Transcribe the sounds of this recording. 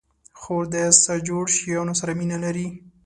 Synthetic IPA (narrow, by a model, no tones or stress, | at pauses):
xod̪əsad͡ʒoɽʃijɑnosaɾaminalaɾi